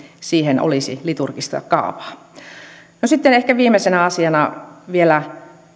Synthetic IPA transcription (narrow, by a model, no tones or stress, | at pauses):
siːheno̰lisḭlit̪urkist̪ɑ̰kɑ̰ˑuʋɑ̥ː | nosit̪ːenehkæʋiːmesenæɑsiɑnɑʋielæ